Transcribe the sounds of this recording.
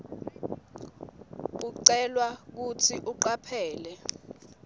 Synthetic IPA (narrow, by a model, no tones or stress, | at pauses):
uǀɛlwak̬ut͡sʰiʔuǃapʰɛːlɛ